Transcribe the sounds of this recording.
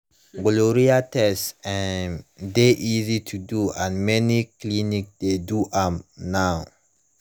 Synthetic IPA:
ɡloɾiatɛstã | deʔizitʰuduãnmɛniklinikd̥eduʔamnaʊ

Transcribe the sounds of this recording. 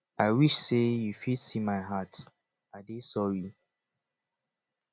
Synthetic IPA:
aɪwiʃsejufidsimaɪɦat | adesɔɹi

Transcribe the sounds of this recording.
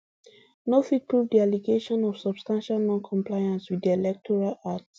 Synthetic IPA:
nofit̚pʰɹuvdialiɡeʃɔ̃nɔv̥sɔb̥stãnʃalnɔ̃nkʰɔ̃mplaɪãnswidiɛlɛk̚tʰɔɹalats

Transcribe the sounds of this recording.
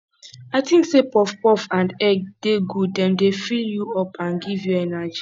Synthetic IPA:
aɪtĩŋksepɔfpɔfãndɛɡ̚d̥eɡud̚dɛ̃mdefiljuɔpʰãnɡivjuɛnad͡ʒi

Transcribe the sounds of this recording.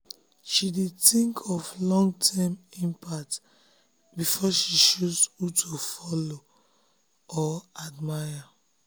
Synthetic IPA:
ʃidetĩŋkʰɔvlɔ̃ŋɡtʰɛmĩmpʰat | bifɔʃiʃusutʰofɔlo | ɔadmaja

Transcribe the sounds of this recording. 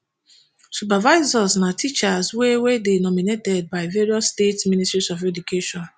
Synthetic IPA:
sup̬avaɪzɔsnatʰit͡ʃaswewedenɔminetɛd̚baɪveɹiɔsːtetsmĩnistɹisɔfɛdukʰeʃɔ̃n

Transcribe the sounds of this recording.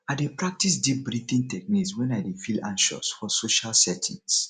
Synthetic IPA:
aɪdepɹak̚tisdip̚bɹitĩntɛk̚nikswɛ̃naɪdefilãnʃɔ̰sfɔsoʃalsɛtʰḭ̃ŋs

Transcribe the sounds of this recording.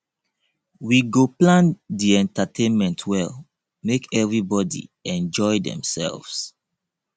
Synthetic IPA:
wiɡoplãndiɛ̃ntatʰẽnmɛ̃ntʰwɛl | mekɛvɹibɔdḭɛ̃nd͡ʒɔjdɛ̰̃msɛ̰lvs

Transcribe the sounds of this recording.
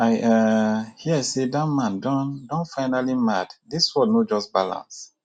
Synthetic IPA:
aɪahiaɪsedatmãndɔ̃ndɔ̃nfaɪnalimatdiswɔdnod͡ʒɔsbalã̰ns

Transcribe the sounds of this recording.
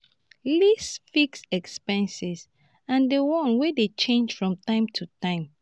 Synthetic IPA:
lisfiksɛkspɛ̃nsis | ãndewɔ̃nwedet͡ʃẽnd͡ʒfɹɔ̃mtãɪ̃mtʰutãɪ̃m

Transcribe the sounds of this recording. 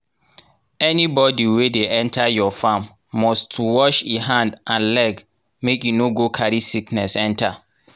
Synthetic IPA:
ɛnibɔdiwedeʔɛ̃ntʰajɔfãmː | ɔstʰuwɔʃiɦãndʔãnlɛɡ | mekjunoɡokʰaɾisiknɛsɛ̃nta

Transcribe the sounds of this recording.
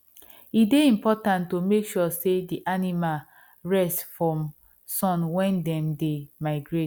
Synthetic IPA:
ideĩmpɔtãntːomekʃɔsediʔanimal | ɹɛstfɹɔ̃m | sɔ̃nwɛ̃ndɛ̃mdemaɪɡɹet

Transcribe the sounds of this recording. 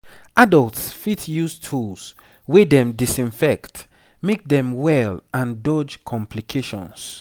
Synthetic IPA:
ʔadəlˠtsfitjustʰuls | wedɛ̃mdisĩnfɛkt | mek̚dɛ̃mwɛlãndɔd͡ʒkʰɔ̃mpʰlikʰeʃɔ̰̃ns

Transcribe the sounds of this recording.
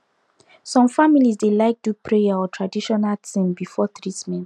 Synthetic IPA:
sɔ̃mfamilisdelaɪk̚dupʰɹejaɔtʰɹadiʃɔnaltʰĩmbifɔθɹismɛ̃n

